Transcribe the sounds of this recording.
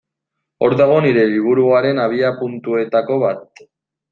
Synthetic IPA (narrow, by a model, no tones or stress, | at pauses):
o̞ɾðaɣ̞o̞niɾe̞liβ̞uɾuaɾe̞naβ̞iapunt̪ue̞t̪ako̞β̞at̪̚